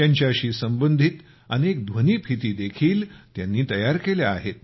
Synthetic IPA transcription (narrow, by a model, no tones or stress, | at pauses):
jaɲt͡ɕjaəɕiːsəmbənd̪ʱit̪ | ənek̚d̪ʱʋəniːpʰit̪iːd̪ekʰiːlt̪janːiːt̪əjaɾkeljaaɦet̪̚